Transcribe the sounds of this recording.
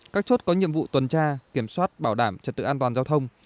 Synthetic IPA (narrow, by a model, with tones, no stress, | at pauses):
kaː˦˥k̚t͡ɕo˦˥t̚kɔ˨˦ɲḭ˧˨əmvṵ˧˨t̪wə˨˩nt͡ɕaː˧ki˧˩əmswaː˦˥t̚ɓaː˧˩wɗaː˧˩mt͡ɕə˨˩t̪ɨ̰˧˨ʔaː˧nt̪waː˨˩nzaː˧wt̪ʰə˧wŋ͡m